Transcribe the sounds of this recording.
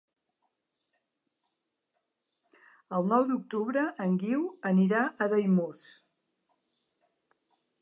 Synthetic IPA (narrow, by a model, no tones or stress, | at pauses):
əlˠnɔwd̪uk̚t̪uβɾəʔəŋɡiwəniɾaʔəðəjmus